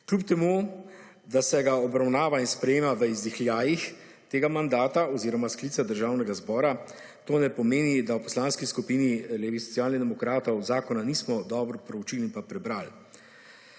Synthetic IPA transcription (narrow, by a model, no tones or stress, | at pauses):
klʲup̚t̪ɛmu | d̪asɛɡaɔbɾawnaːʋainspɾɛjeːmaʋəizd̪ixljaːjix | t̪eːɡamand̪aːt̪aɔziːɾɔmaskliːt̪ad̪əɾʒaːwnɛɡazbɔːɾa | t̪oːnɛpɔmeːnid̪awpɔ̥slaːnskiskupinileːʋisɔ̥sijaːlnid̪ɛmɔkɾaːt̪ɔwzaːkɔnaniːsmɔd̪ɔːbɾɔpɾɔwt͡ʃiːlinpapɾɛbɾaːl